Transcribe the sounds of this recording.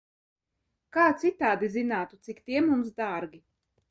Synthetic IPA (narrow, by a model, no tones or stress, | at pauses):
kaːt̪sit̪aːd̪izinaːt̪ut̪sikt̪iɛmumsd̪aːɾɡʲi